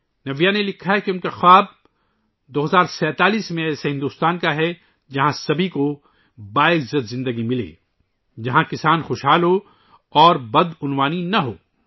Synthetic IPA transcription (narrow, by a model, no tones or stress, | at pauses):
nɐʋijanelɪkʰaɦɛkiʊnkaxaːb̚ | d̪oːɦɐzaːɾsɛːt̪aːliːsmẽɛːseɦɪ̃nd̪uːst̪aːnkaɦɛ | d͡ʒɐɦãsɐbʱiko | baːɪzɐt̪zɪ̃nd̪əɡimɪlḛː | d͡ʒɐɦãkɪsaːnxʊːʃɦaːlɦo | ɔːɾbɐd̪ʊnwaːninɐɦo̰ː